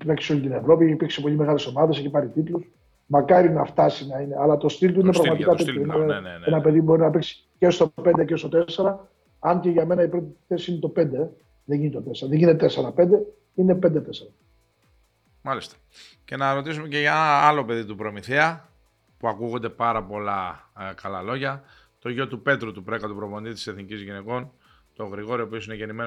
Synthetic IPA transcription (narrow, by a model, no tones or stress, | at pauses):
ɾeksio̞lʲit̪ine̞vɾo̞pieçipiɾksipo̞ʎime̞ɣɐle̞so̞mɐðe̞seçipɐɾit̪it̪lus | mɐkɐɾinɐft̪ɐsinɐine̞ɐlɐt̪o̞st̪ilt̪uinepɾɐɣmɐt̪ikɐt̪et̪ço̞ineenɐpe̞ðibo̞ɾinɐpiksi̥ | ce̞st̪o̞pe̞nd̪ecest̪o̞t̪e̞se̞ɾɐ | ɐnce̞ʝɐme̞nɐipɾot̪ii̥θe̞sisinet̪o̞pe̞nd̪e | ðeɲʝinit̪o̞t̪e̞seɾɐðeʝinet̪et̪ese̞ɾɐpe̞nd̪e̞ | ine̞pe̞nd̪et̪eseɾɐ | mɐlist̪ɐ̥ | ce̞nɐɾo̞t̪isumece̞ʝɐenɐɐlo̞pe̞ðit̪upɾo̞miθiɐ | puɐkuɣond̪e̞pɐɾɐpo̞lɐkɐlɐlo̞ʝɐ | t̪o̞ʝo̞t̪upe̞t̪ɾut̪upɾe̞kɐt̪upɾovo̞nd̪it̪i̥se̞θnicizʝine̞ko̞n | t̪o̞ɣɾiɣo̞ɾiopio̞sineʝe̞nimen